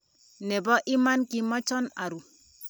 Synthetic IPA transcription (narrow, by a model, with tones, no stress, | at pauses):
nɛ˨bɔ˦ʔɪ˦ma˦nki˨˦mɔ˦t͡ʃɔ˦na˨ɾu˨